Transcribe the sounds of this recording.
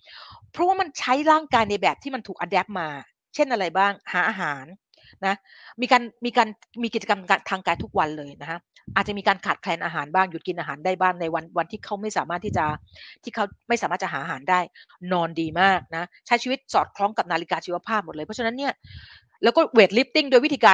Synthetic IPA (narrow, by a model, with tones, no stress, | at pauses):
pʰɾɔ˦˥waː˥˩ma˧nt͡ɕʰa˦˥jɾaː˥˩ŋkaː˧jna˧jbɛː˨˩p̚t̪ʰiː˥˩ma˧nt̪ʰuː˨˩k̚ʔa˧dɛː˦˥p̚maː˧ | t͡ɕʰe˥˩nʔa˧ɾa˧jbaː˥˩ŋhaː˩˦ʔaː˧ɦaː˩˦nː | a˦˥ | miː˧kaː˧nmiː˧kaː˧n | miː˧ki˨˩t̚t͡ɕa˧ka˧mkkaː˧nt̪ʰaː˧ŋkaː˧jt̪ʰu˦˥k̚wa˧nlɤː˧jna˦˥kʰa˦˥ | ʔaː˨˩t͡ɕa˨miː˧kaː˧nkʰaː˨˩kʰlɛː˧nʔaː˧ɦaː˩˦nbaː˥˩ŋju˨˩t̪̚ki˧nʔaː˧ɦaː˩˦ndaː˥˩jbaː˥˩ŋna˧jwa˧nwa˧nt̪ʰiː˥˩kʰa˦˥wma˥˩jsaː˩˦maː˥˩t̪ʰːiː˥˩t͡ɕa˨˩t̪ʰiː˥˩kʰa˦˥wma˥˩jsaː˨˦maː˥˩t̚t͡ɕa˨˩ɦaː˩˦ʔa˧ɦaː˩˦ndaː˥˩j | nɔː˧ndiː˧maː˥˩k̚na˦˥t͡ɕʰa˦˥jt͡ɕʰi˧wi˦˥t̪̚sɔː˨˩t̪̚kʰlɔː˦˥ŋka˨˩p̚naː˧li˦˥kaː˧t͡ɕʰiː˧˥wa˧˥pʰaː˥˩p̚mo˨˩t̪̚lɤː˧jpʰɔ˦˥t͡ɕʰa˧na˦˥nːi˥˩ɐ | lɛ˦˥wkɔː˥˩we˨˩t̪̚li˦˥p̚t̪i˥˩ŋdo˧jwt̪ʰiː˧kaː˧